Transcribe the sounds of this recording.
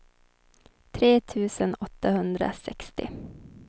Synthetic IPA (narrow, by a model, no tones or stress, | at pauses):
t̪ʰɾeːt̪ʰʉ̟ːsənɔt̪ːahɵnd̪ɾa̰sɛkst̪ɪ̰